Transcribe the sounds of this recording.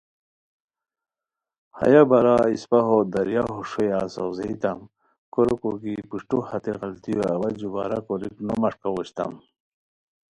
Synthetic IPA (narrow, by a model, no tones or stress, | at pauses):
ha̰jabɐɾaispaɦod̪ɐɾjaɦoʂojasɐwzeit̪am | koɾokoɡipuʂʈuhat̪eɣɐlt̪ijoɐwɐd͡ʑuba̰ɾakoɾiknomɐʂkawoɕt̪a̰m